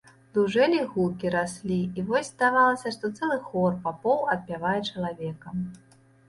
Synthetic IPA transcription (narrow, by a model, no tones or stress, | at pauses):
d̪uʐɛlʲiɣukʲiɾasʲlʲiivɔsʲzd̪avalˠɐsʲɐʂt̪ɔt̪sɛlˠɨxɔrpapɔwɐt̪̚pʲavajɛt͡ʂɐlˠavʲɛkɐm